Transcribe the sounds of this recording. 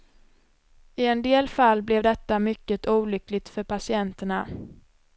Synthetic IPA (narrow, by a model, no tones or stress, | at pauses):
ɪɛnd̪eːlfalːblɛvd̪ɛt̪ːamʏkːət̪ʰuːlʏklɪɡ̚t̪fœɾpʰasɪɛnt̪əɳa